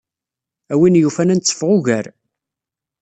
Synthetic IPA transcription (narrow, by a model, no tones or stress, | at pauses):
æwinjufænænt͡sːə̥fʁʊʝæɾ